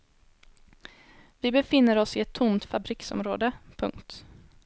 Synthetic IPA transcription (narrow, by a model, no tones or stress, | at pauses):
vɪbɛfɪnːəɾɔsɪɛt̪ʰːʊmt̪fabɾiksɔ̰mɾo̰ːd̪əpʰɵ̰ŋkt̪